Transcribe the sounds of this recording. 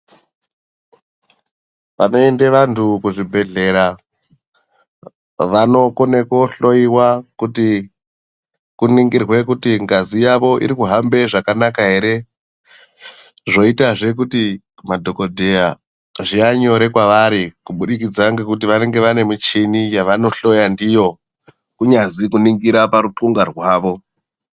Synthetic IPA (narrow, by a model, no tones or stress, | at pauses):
ʋa̰no̞endeʋantʰukuʐibʱe̞ɮe̞ɾa | ʋano̞kone̞ko̞ɬo̞iwakuti | kuniŋɡirwe̞kutiŋɡazijaʋo̞ʔḭɾikuɦambe̞ʐakanakaɦe̞ɾe̞ | ʐo̞itaʐe̞kuti | madʱo̞kodʱeja | ʐiaɲo̞ɾe̞kwaʋaɾikuɓuɗikid͡zaŋɡekut̬iʋane̞ŋɡe̞ʋane̞mut͡ʃinijaʋano̞ɬo̞jandijo̞ | kuɲazikuniŋɡiɾapaɾuǃuŋɡarwaːʋo̞